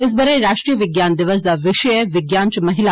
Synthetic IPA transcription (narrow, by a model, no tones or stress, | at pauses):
ɪs̬bɐɾəɾaːʃʈɾijəʋɪɡjaːnd̪ɪʋəs̬d̪aʋɪʃəjəʋɪɡjaːnt͡ʃmɐɦɪla